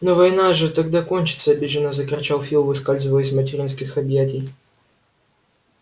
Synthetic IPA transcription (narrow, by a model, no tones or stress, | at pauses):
novɐjnaʐɨt̪ɐɡd̪akonʲt͡ɕɪt̪səɐbʲiʐɨnəzəkɾɐt͡ɕalˠfʲilˠvɨskalʲzɨvəjɪsʲmətʲɪɾʲinskʲɪxɐbjætʲɪj